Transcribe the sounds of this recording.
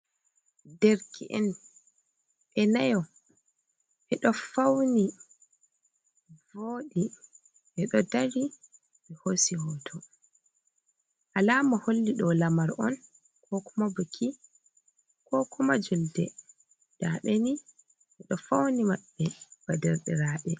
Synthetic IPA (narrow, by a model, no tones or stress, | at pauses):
deɾkʰḭʔɛn | ɓɛnajɔ | ʔɛɗɔfawni | voɗi | ʔɛɗɔdaɾi | mɛhosihɔtʰɔ | ʔalaːmaholːiɗɔlamaɾɔ̰n | kʰɔkumabukʰi | kʰɔkumad͡ʒuldɛ̰ | d̥aɓeni | ʔɛɗɔfawnimaɓːɛb̥adɛɾɗɛɾaːɓɛ